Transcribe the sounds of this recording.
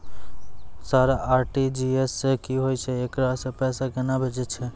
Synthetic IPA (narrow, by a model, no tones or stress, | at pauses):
saːɾaʔaːɾʈid͡ʒiesːekiɦojt͡ʃʰɛekɾasẽpɛːsaɡənabʱed͡ʒɛt͡ʃʰɛ